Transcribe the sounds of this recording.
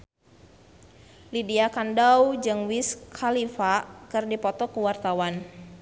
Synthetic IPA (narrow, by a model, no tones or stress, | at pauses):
lidiakandawd͡ʒɨŋwiskʰalifakɨrdipɔt̪ɔkuwart̪awan